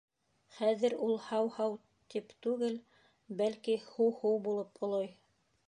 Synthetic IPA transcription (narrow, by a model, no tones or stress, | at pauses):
χæðɘ̆ɾulˠhɑwhɑw | t̪ipt̪ʉɡɘl | bælkihuwhuwbulˠɤpŏlˠɑj